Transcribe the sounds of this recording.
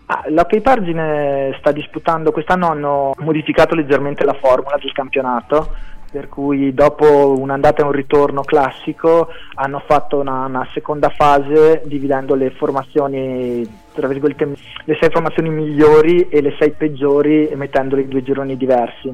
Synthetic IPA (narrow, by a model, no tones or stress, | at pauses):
a̰lɔkːejpard͡ʒinest̪ad̪ːisput̪and̪okwest̪anːoanːomod̪ifikaːt̪oled͡ʒːerment̪elafɔrmulad̪elkampjonaːt̪operkujd̪ɔːpounand̪aːt̪aeũrit̪ornoklasːikoanːofat̪ːounaunasekond̪afaːzed̪ivid̪ɛnd̪oleformat̪sːjoːni | t̪ɾavirɡolet̪ːe | lesɛjformat̪sːjoːnimiʎːoːɾielesɛjped͡ʒːoːɾimet̪ːɛnd̪oleid̪uːed͡ʒoɾonid̪ivɛrsi